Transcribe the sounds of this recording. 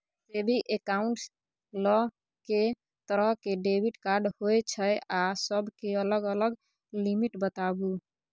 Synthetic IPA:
sebʱiʔekaʊɳʈs | lɔ | ke | t̪əɾəɦkeɖebiʈkaɾɖhojt͡ʃʰəjasəbʱkeələɡələɡ | limiʈbət̪abu

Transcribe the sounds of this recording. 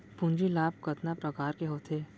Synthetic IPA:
pʊ̃ɲd͡ʒilaːb̚kɐt̪napɾɐkaːɾkeɦoːt̪ʰeː

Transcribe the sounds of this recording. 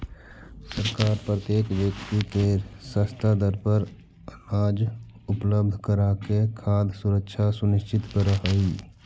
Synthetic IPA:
səɾkaːɾpɾət̪jeːkʋjəkt̪ikeɾsəst̪ʰad̪əɾpəɾ | ənaːd͡ʒ | ʊpləbd̪ʱkəɾakekʰaːd̪ʱsʊɾəkʃʰasʊnɪʃt͡ʃɪt̪kəɾəɦəi

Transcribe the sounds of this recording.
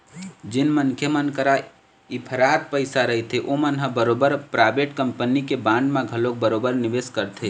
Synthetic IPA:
d͡ʒɪnmənkʰjəmənkəɾa | ipʰəɾaːt̪̚pəɪsaɾəɦit̪ʰeʔomənɦə̃bəɾobəɾpɾaːbeʈkəmpənikebãːɳɖmẽɡʱəlok̚bəɾobəɾnɪʋeskəɾt̪ʰe

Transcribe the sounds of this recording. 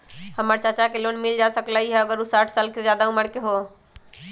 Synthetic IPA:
həməɾt͡ʃat͡ʃakelonmild͡ʒasəklaɦiɦɛəɡəɾusaʈʰsaːlked͡ʒjad̪auməɽkeɦo

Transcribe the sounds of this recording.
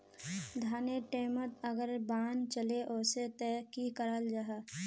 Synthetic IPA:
d̪ʱaːneʈeːmət̪əɡəɾbaːnt͡ʃəleʔɔːset̪ɛːkikəɾəld͡ʒaɦaː

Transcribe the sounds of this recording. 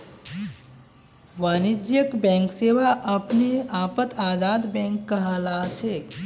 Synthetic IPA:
ʋaːnid͡ʒjəkbɛ̃ŋkseʋaʔəpneaːpət̪ʰaːd͡ʒaːd̪bɛ̃ːŋkːəɦalaːt͡ʃʰe

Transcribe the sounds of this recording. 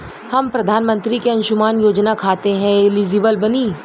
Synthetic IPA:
hɐmpɾɐd̪ʱaːnmə̃nt̪ɾikeɐ̃nʃʊmaːnjoːd͡ʒnakʰaːt̪eɦɛ̃ɪliːd͡ʒɪːbəlbɐniː

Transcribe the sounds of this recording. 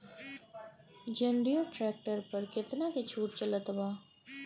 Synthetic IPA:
d͡ʒɐ̃ɳɖijoʈɾɛːk̚ʈəɾpɐɾkɪt̪naket͡ʃʰuːʈ̚t͡ʃɐlət̪baː

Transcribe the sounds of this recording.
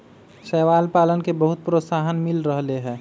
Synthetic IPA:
sɛːʋaːlpaːlənkebəɦʊt̪̚pɾosaːɦənmɪlɾəɦleɦɛ̃ː

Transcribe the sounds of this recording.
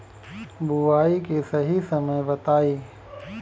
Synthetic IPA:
buʋaːikesɐɦisɐməjbɐt̪aːiː

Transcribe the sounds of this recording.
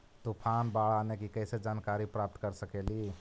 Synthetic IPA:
t̪upʰanbaɭanekikəɪsed͡ʒaːnkaɾipɾap̚t̪kəɾsəkeli

